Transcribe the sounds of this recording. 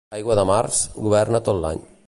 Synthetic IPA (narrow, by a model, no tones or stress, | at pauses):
ajɣwaðamaɾsɡuβɛɾnat̪olːa̰ɲ